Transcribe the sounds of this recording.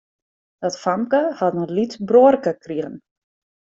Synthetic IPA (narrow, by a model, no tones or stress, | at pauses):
d̥ɔtfamkəhatnəlitbroərkəkriɣən